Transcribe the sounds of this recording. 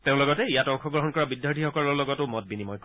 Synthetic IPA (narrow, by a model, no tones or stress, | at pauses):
teʊ̃lɔɡɔtɛijatɔŋxɔɡɹɔɦɔnkɔɹabidjaɹtʰixɔkɔlɔɹlɔɡɔtʊmɔt̚binimɔjk